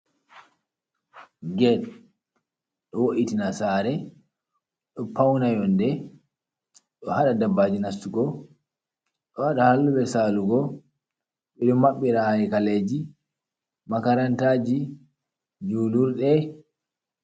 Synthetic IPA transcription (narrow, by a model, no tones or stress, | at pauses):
ɡɛɗ | ɗɔwoʔitinasaɾɛ | ɗɔpawnajɔndɛ | ɗɔhaɗadabːad͡ʒinastuɡɔ | ɗɔhaɗahalːuɓɛsaluɡɔ | ɓɛɗɔmaɓːiɾahaɾikaled͡ʒi | makaɾantad͡ʒi | d͡ʒuːluɾɗɛ